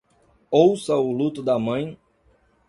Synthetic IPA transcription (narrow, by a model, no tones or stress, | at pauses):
owsɐʊlut̪ʊd̪ɐmɐ̃j̃